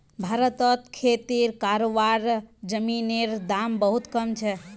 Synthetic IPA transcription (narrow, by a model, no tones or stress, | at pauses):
bʱaɾət̪ət̪kʰet̪iɾkaɾoʋaɾd͡ʒəmineɾd̪ambəɦut̪kəmt͡ʃʰɛ